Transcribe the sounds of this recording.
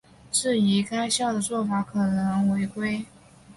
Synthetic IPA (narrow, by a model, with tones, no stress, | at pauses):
ʂɻ̩˥˩i˧˥ka˥ɪɕjɑ˥˩ʊd̪ə˩t͡swɔ˥˩fa˧˥kʰɤ˨˩nɤ˧˥˦ŋwe˧˥ɪkwe˥ɪ